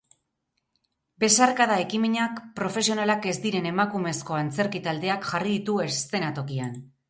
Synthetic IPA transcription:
be̞sarkaðae̞kimeɲakpɾo̞fe̞sio̞nalake̞zd̪iɾe̞ne̞makume̞sko̞ant͡se̞ɾkit̪ald̪e̞akʝariðit̪ue̞st̪e̞nat̪o̞kian

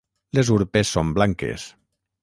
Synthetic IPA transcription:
lezuɾpesːomblaŋkḛs

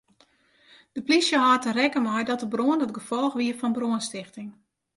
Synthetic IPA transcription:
d̥əplisjəɦɔːtənrɛkəmɔjdɔtəbroəndɔtɡəfɔlˠxʋiəfɔnbroənstɪxtɪŋ

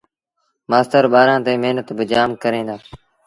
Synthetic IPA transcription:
maːst̪əɾɓaːɾãːt̪eːmeːnət̪bɪd͡ʒaːmkəɾẽːnd̪aː

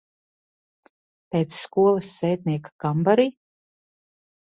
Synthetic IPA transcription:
peːt̪sːkuɔlˠɐsːɛːt̪̚niɛkḁkambaɾi

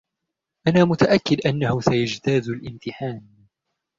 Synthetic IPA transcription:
ʔanaːmʊt̪aʔakːɪd̪ʔanːahʊsajad͡ʒt̪aːzalʔɪmt̪ɪħaːn

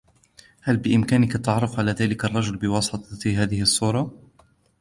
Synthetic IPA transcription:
halbɪʔɪmkaːnɪkat̪ɑʕɾˤɪfʕalaːðaːlɪkɑrˤːɑd͡ʒʊlbɪwɑːsˤɨt̪ˤɑɦaːðɪhɑsˤːuːɾˤɑ

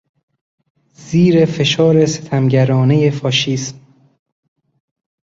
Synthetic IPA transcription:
z̥iːɾe̞fe̞ʃɒːɾese̞t̪ʰæmɟæɾɒːne̞jefɒːʃiːsm

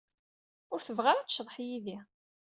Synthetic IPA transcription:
ʊɾθəvʁaɾat͡sːʃðˤħjiði

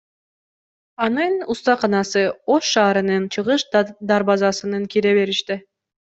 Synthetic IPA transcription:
ɑnɯnust̪ɑqʰɑnɑsɯo̞ʃːɑːɾɯnɯnt͡ʃʰɯʁɯʃd̪ɑɾbɑzɑsɯnɯŋkiɾeβe̞ɾiʃt̪i

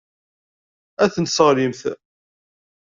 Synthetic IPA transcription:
æθənsəʁlimθ

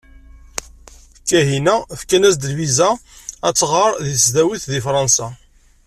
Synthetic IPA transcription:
kːæɦinæfkænæsd̪əlvizææt͡sːʁɑɾˤðiθzd̪æwiθðifɾˤɑnsæ

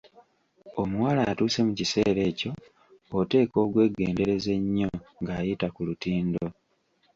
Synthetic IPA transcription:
o̞muwaːlaːtuːse̞mucise̞ːɾe̞ːco̞ː | te̞ːko̞ːɡwe̞ːɡe̞ːnde̞ɾe̞ze̞ɲːo̞ŋɡaːjitakulutiːndo̞

